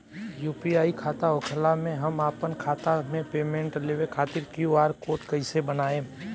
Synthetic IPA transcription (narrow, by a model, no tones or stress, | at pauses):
juːpiaːikʰaːt̪aokʰəlamẽɦɐmaːpənkʰaːt̪amẽpeːmẽːɳʈleːʋekʰaːt̪ɪɾkjuaːɾkoːʈkɐɪsebənaːe